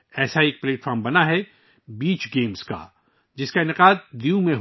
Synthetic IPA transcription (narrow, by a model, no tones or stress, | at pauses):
ɛːsaeːk̚pleːʈfʰɔːɾmbɐnaɦɛ | biːt͡ʃɡeːmska̰ | d͡ʒɪskaɪnɪqaːd̪̚d̪ijũmẽɦ